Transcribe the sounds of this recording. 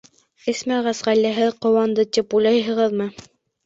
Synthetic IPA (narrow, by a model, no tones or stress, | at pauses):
ɘsmæʁæsʁælːæɦɘqŏwɑnd̪ɤt̪ipujlˠɑjɦɤ̆ʁɤðmɤ